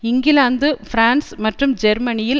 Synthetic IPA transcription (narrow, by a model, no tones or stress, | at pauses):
ɪŋɡɪlaːnd̪ɯfɪɾaːnsmɐʈrɯmd͡ʒɛɾmɐnɪjɪl